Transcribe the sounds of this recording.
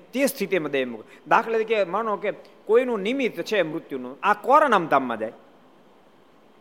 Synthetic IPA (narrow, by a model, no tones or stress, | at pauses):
t̪est̪ʰit̪eməd̪ʱemukd̪akʰəled̪ikeməɳõke | koːinũnimit̪ːt͡ʃʰemɾʊt̪junũakɔːɾanamt̪amːã̰d͡ʒa̰ːj